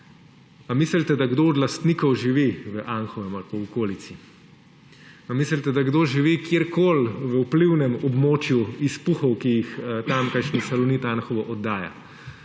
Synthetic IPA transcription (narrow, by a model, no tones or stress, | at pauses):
amisəlt̪ɛd̪aɡd̪oɔd̪last̪nikɔwʒiʋiʋəʔanxɔʋɛmalpawɔkoːlit̪si | amisəlt̪ɛd̪aɡd̪oʒiʋikjeɾkoːlʋəupliwnɛmɔbmoːt͡ʃjuispuxɔwkijixt̪amkajʃnisalɔnit̪anxɔʋɔʔɔd̪ːaːja̰